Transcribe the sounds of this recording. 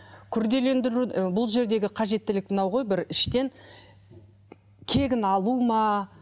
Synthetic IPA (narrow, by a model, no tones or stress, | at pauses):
kʲʰʏɾd̪e̞le̞nd̪ɪɾubʊlˠʒe̞ɾd̪e̞ɡʲɪqʰɑʒe̞t̪ːɪlɪk̚mɪnɑwʁo̞jbɪɾɪʃt̪e̞ŋ | kʲʰe̞ɡʲɪnɑlˠumɑ